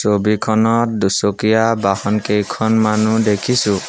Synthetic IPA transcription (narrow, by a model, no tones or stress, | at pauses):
sobikʰɔnɔt̚dusokijabahɔnkejkʰɔnmanudekʰisʊ̃